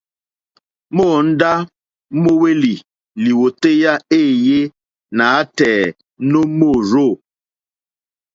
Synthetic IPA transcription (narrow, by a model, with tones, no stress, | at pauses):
mo˦˨n̩˦da˦ | mo˦we˦li˨ | li˨wo˨te˦ja˦e˦˨je˦ | na˨˦tɛ˨˦ | no˦mo˦˨ɾo˦˨